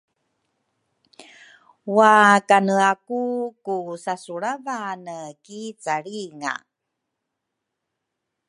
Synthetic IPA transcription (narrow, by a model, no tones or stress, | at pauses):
wakanəakukusasuɭavanəkit͡saɭiŋa̰